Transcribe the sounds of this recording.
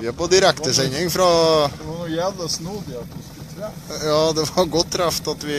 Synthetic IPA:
ʋɪɑpɔd̪ɪɾɛkt̪əsɛɲɪŋfɾɑnujɛʋəsnuːd̪ɪɑt̪ʊ | jɑːd̪ɛʋɑɾɡɔt̪ʰːɾæft̪ɑt̪ʋɪ

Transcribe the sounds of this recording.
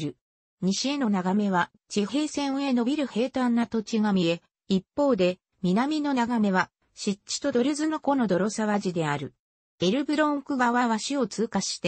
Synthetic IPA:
ɾɯ̟ | ɲ̟iɕie̞no̞naɡame̞βa | t͡ɕihe̞ːsẽ̞ɰ̃e̞no̞bʲiɾɯ̟he̞ːt̪ãnːat̪o̞t͡ɕiɡamʲie | ipːo̞ːd̪e̞ | mʲinamʲino̞naɡame̞βa | ɕitt͡ɕːi̥t̪o̞d̪o̞ɾɯzɨnoko̞no̞d̪o̞ɾo̞saβaʑid̪e̞aɾɯ̟ | eɾɯ̟bɯ̟ɾõŋkɯ̟ɡaβaβaɕio̞t͡sɨːkaɕi̥t̪e

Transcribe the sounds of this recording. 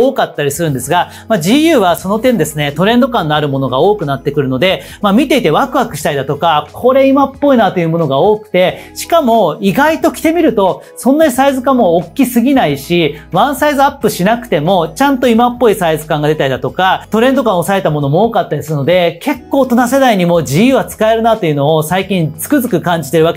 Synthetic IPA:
oːkat̪ːaɾʲisɨɾɯ̟nd̪e̞sɨɡa | mad͡ʑijɯ̟ːβaso̞no̞t̪ẽ̞nd̪e̞sɨne̞t̪o̞ɾẽ̞nd̪o̞kãnːoaɾɯ̟mo̞no̞ɡao̞ːkɯ̟nat̪ːe̞kɯ̟ɾɯ̟no̞d̪e̞ | mamʲit̪e̞it̪e̞βakɯ̟βakɯ̟ɕi̥t̪aid̪at̪o̞kakʰo̞ɾe̞imapːo̞inat̪o̞jɯ̟mo̞no̞ɡao̞ːkɯ̟̥t̪e̞ɕi̥kamo̞iɡait̪o̞kʲi̥t̪e̞mʲiɾɯ̟t̪o̞ | sõ̞nːaɲ̟isaizɨkãmmo̞ːkʲːisɨɡʲinaiɕiβãɰ̃saizɨapːɯ̟ɕinakɯ̟̥t̪e̞mo̞t͡ɕãnt̪o̞imapːo̞isaizɨkãŋɡad̪e̞t̪aɾid̪at̪o̞kat̪o̞ɾẽ̞nd̪o̞kãosae̞t̪amo̞no̞mooːkat̪ːad̪esɨno̞d̪ekʰe̞kːo̞ːt̪o̞nased̪aiɲ̟imo̞d͡ʑiɯβat͡sɨ̥kae̞ɾɯ̟nat̪o̞iɯ̟no̞ːsaikʲĩnt͡sɨ̥kɯ̟zɨkɯ̟kãɲ̟d͡ʑi̥t̪e̞ɾɯ̟βake

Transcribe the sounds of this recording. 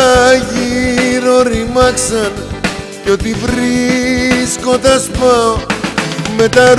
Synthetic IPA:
ʝiɾoɾimɐksɐn | ceo̞t̪ivɾi | sko̞nd̪ɐsmɐ | me̞t̪ɐɾ

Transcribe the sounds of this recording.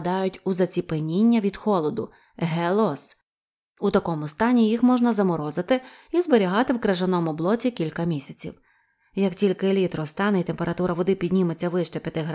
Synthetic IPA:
d̪ɑjʊtʲuzɐt͡sʲipenʲinʲːɐʋʲid̪xɔlˠɔd̪ʊ | ɦɛlˠɔs | ut̪ɐkɔmʊst̪ɑnʲijixmɔʒnɐzɐmɔɾɔzɪt̪ɪizbeɾʲiɦɑt̪ɪwkɾɐʒɐnɔmʊblˠɔt͡sʲikʲilʲkɐmʲisʲɐt͡sʲḭw | jɐktʲilʲkɪlʲit̪ɾɔst̪ɑnɛit̪empeɾɐt̪uɾɐʋɔd̪ɪpʲidʲnʲimet͡sʲːɐʋɪʃt͡ʃɛpʲjɐt̪ɪɦ

